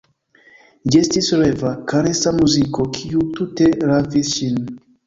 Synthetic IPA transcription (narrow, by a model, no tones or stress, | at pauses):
d͡ʒestisɾevakaɾesamuzikokʰiututeɾavisʃin